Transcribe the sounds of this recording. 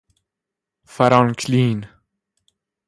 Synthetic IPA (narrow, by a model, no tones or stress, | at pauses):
faɾankʰliːn